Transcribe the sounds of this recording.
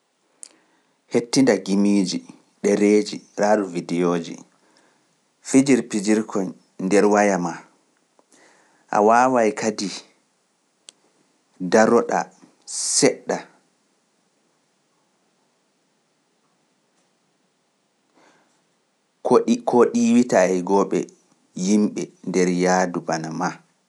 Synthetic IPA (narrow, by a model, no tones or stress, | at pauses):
hetːindaɡimiːd͡ʒi | ɗɛɾeːd͡ʒiɾaːduvidijoːd͡ʒḭ | fid͡ʒiɾpid͡ʒiɾkʰɔn | nːdɛɾwajama | ʔa̰waːwajkadi | daɾɔɗa̰ | sɛɗːa | kkʰoɗiwitaɛɡɔɓɛ̰ | jimɓɛndɛɾjadubanama